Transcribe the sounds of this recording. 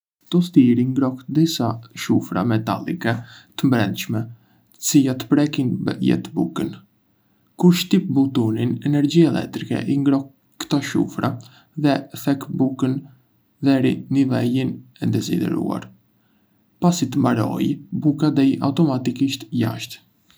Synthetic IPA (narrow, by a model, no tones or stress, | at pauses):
t̪ɔst̪iɾiŋɡɾɔkd̪isaʃufɾa̰mɛt̪alikɛt̪əmbɾɛnd̪ʃmɛ | ə̥t͡sijat̪ə̥pɾɛkinjɛ̰t̪bṵkən | kuɾʃt̪ip̚but̪uninɛnɛɾd͡ʑiɛlʔɛ̰k̚t̪ɾikɛ̰ʔiŋɡɾɔkː | t̪ɔʃṵfɾa | ðɛθɛkbukən | ðɛɾḭnivɛlinɛd̪ɛsḭd̪ɛ̰ɾṵa̰ɾ | pasit̪əmbaɾɔ̰jbukad̪ɛjʔa̰ut̪ɔmat̪ikiʃt̪ja̰ʃt̪